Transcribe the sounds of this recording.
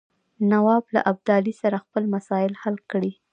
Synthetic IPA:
nawɑbla̰ʔab̚d̪ɑlisaɾaxpəlmasɑjɪlhalkɽi

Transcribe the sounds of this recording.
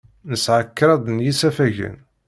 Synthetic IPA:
nəsʕəkːɾˤɑd̪ˤnjisæfæʝə̰n

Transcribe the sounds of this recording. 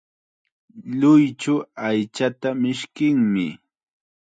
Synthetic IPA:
ʎʊjt͡ʃʊajt͡ʃat̪amɪʃkɪŋmɪ

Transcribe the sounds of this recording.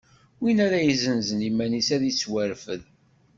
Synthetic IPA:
winæɾæjizənzənimːænisæðit͡sːwæɾfəð

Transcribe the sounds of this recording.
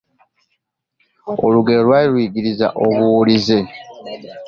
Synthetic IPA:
o̞luɡeolwailwiːɡiɾiza̰ʔo̞βuwulize̞

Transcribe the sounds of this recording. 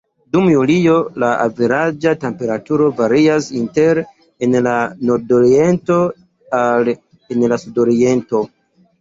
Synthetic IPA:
dumjulijo̞laʔa̰viɾad͡ʒate̞mpe̞ɾatuɾo̞vaɾiasinteɾ | enlano̞ɾdo̞ɾie̞nto̞ | al | enlasudo̞ɾie̞nto̞

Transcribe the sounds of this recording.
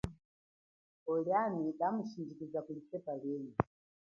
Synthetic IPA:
ɔljanikʼamuʃind͡ʒikizakulisɛpalɛːjɔ

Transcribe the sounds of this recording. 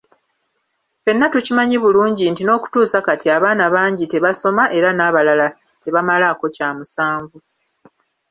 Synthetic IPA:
fe̞nːatucimaɲiβuluːɲɟintino̞ːku̥tuːsakatiaβaːnaβaːɲɟite̞βaso̞maʔe̞ɾanaːβalala | te̞βamalako̞caːmusaːɱvu

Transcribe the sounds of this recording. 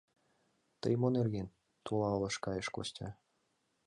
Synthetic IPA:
t̪ə̰jmonerɣen | t̪ulɑɤ̆lɤ̆ʃkɑjəʃko̰stʲɑ

